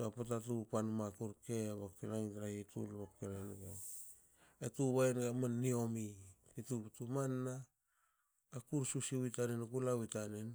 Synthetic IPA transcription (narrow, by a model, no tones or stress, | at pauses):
apatatupanmakuɾkeβakkiɾaŋtaɾahitṵlβakkiɾajnɡa | etuβaenɡamanːio̞mikituptumanːa | kuɾsusiwitanenkulawitanen